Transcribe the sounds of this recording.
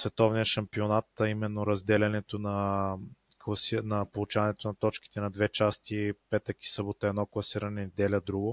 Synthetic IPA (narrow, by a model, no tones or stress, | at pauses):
svɛt̪ɔvnijəʃɐmpionat̪ɐimɛnːoɾɐzd̪ɛlʲɐnɛt̪onɐ | klˠɐsinɐpolˠut͡ʃavɐnɛt̪onɐt̪ɔt͡ʃki̥t̪ɛnɐd̪vɛt͡ʃast̪ipɛt̪əki̥sɤbot̪əɛd̪nɔklˠɐsiɾɐnɛd̪ɛlʲəd̪ɾuɡo